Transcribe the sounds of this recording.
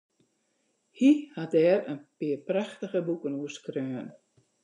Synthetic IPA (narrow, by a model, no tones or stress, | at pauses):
hihat̚dɛːɾənpɪːəpraxtəɣəbukənuəskrøːn